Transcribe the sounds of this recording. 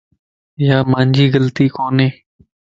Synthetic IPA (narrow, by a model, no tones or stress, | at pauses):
jaːmãːɲd͡ʒiːɣəlt̪iːkoːneː